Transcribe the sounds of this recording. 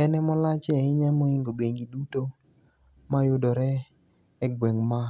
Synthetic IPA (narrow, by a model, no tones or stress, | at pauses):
ɛnɛmɔlat͡ʃɛɪɲɛmɔiŋɡobeŋɡiduto | majʊdɔɾɛ | ɛɡweŋma